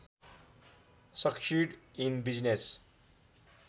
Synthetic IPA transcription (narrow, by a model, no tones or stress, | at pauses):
sʌkʃiɖĩnbid͡ʒnes